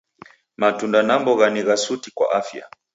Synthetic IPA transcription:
matundanambɔɣaniɣasutikwa̰ʔafja̰

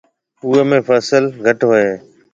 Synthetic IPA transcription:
uːemẽːpʰəːsəlɡʱəʈɦoːeː

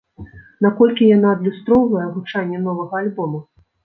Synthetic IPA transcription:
nakɔlʲkʲijan̪aːd̪lʲust̪ɾɔwvɐjɛvut͡ʂanʲːɛnɔvɐɣɐalʲbɔmu

